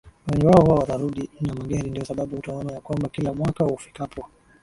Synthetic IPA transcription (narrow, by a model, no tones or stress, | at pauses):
wɛɲɛwaɔhuwawataɾuɗinamaɠɛɾindiɔsaɓaɓuhutaɔnajakwambakilamwakahufikapɔ